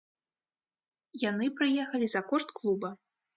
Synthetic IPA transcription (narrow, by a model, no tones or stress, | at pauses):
janɨpɾɨjɛxɐlʲizɐkɔʂt̪klˠubɐ